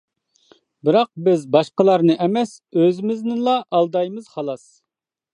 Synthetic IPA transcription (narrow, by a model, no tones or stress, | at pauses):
bɪɾɑq̚bɪzbɑʃqəlˠɑɾnɨʔɛmɛsøzɪmɪznɪlˠɑʔɑlˠd̪ɑjmɨz̥χɑlˠɑs